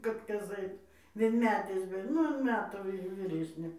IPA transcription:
ˈkɐt ˈkɐs ˈɐɪt ʋʲiɛnʲˈmʲæːtʲeːs bʲɛt ˈnʊ ɐn ˈmʲæːtuː ˈʋʲiː ʋʲiːˈrʲæːsʲnʲeː

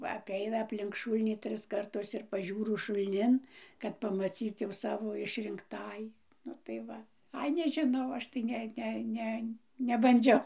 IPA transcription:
ʋɐ ɐpʲˈɛɪnɐ ɐpʲˈlʲɪŋk ˈʃuːlʲnʲiː ˈtʲrʲɪs kɐrˈtʊs ɪr pɐˈʒʲuːrʊ ʃʊlʲˈnʲɪn kɐt pɐmɐˈt͡sʲiːt͡s jɛʊ ˈsɑːʋoː ɪʃʲrʲɪŋkˈtɑːjiː ˈnʊ tɐɪ ˈʋɐ ˈɐɪ nʲɛʒʲɪˈnɐʊ ˈɐʃ tɐɪ ˈnʲɛ ˈnʲɛ ˈnʲɛ nʲɛbɐnʲˈd͡ʒʲɛʊ

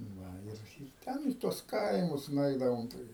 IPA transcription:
ˈnɐ ɪr ɪr ˈtʲɛn iː tuɔs ˈkɐɪmʊs nʊˈɛɪdɐʋoːm tɐɪ

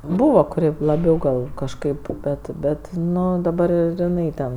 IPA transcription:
ˈbuːʋoː kʊˈrʲɪ lˠɐˈbʲɛʊ ɡɐlˠ kɐʃˈkɐɪp ˈbʲɛt ˈbʲɛt ˈnʊ dɐˈbɐr ɪr ɪˈnɐɪ ˈtʲɛn

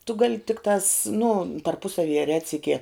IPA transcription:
tʊ ɡɐlʲ ˈtʲɪktɑːs nʊ tɐrˈpʊsɐʋʲiːjɛ ˈrʲæːtʲsʲɪkʲiɛ

